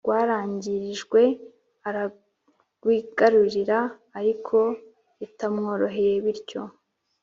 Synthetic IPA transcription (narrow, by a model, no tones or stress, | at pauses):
ɡ̥waːɾaːɲɟiɾiʒɡwe̞ | aɾa | ɡ̥wiːɡ̥aɾuɾiɾaː | ɾikʰo̞ | itamŋo̞ːɾo̞ɦe̞je̞βiɾɟo̞